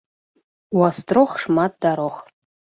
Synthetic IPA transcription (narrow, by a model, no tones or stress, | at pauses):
wast̪roχʂmat̚daɾoχ